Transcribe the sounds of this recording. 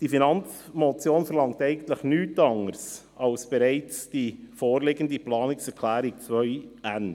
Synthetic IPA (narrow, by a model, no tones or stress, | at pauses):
d̥ifinɑnt͡smɔt͡sjoːnfəɾlɑŋ̚tɛɪɡən̩t̪ləχnyːtɑŋəɾs | ɑlsb̥ɛɾɛɪt͡sd̥ifoːɾlɪɡəndiplɑːnɪksɛɾkʰlæːɾɪk̚t͡svœʏæn